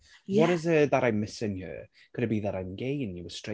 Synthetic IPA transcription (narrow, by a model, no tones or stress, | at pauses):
wɔɾɪzəðaɾajnmɪsɪnhjə̰ | ɡ̥əɾəbiðaɾajnɡejnjəwə̥stɹ̥e